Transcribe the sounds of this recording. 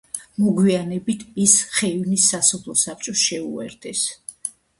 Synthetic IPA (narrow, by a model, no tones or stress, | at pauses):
mɔɡwianɛbit̪ʰisχɛvnisːasɔpʰlˠɔsap̚ʰt͡ʃʼɔsʃɛṵɛ̰ɾd̪ʰɛs